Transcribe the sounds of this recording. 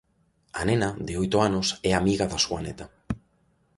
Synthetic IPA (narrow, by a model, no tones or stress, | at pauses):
a̰nẽnaðeojt̪oanosɛamiɣaðasuanet̪a